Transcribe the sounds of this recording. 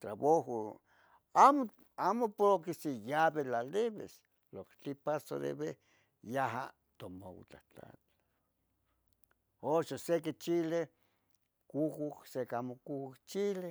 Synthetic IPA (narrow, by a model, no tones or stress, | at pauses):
t̪ɾaβoɦo | amo | amopokisejaβelaleβḛs | lokt͡ɬ̪ipaso̰ɾḛβe | jaɦa̰ | t̪omo̰w̰t͡ɬa̰t͡ɬa̰t͡ɬ | oʃoseket͡ʃile | kuhuhsekamokuhukt͡ʃile